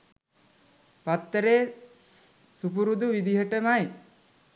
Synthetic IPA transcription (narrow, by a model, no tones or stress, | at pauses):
pat̪ːəɾeː | supuɾud̪uʋid̪iɦəʈəmaj